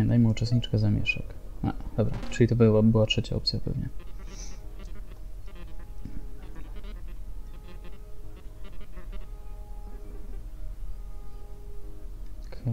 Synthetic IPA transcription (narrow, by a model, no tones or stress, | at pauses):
ɛnd̪ajmɛut͡ʂɛst̪̚ɲit͡ʂkɛzamʲjɛ̰ʂɛ̰ka̰ʔd̪̥ɔbɾat͡ʂɘlʲit̪ɔbɘwabɘwatʂɛt͡ɕa̰ɔ̰p̚t̪sʲjapɛ̰vɲɛ | k